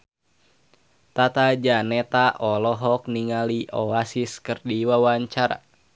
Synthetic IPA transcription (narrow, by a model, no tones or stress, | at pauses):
t̪at̪ad͡ʒanɛt̪aʔɔlɔɦɔk̚niŋaliʔɔasiskɨrdiwawaɲt͡ʃaɾa̰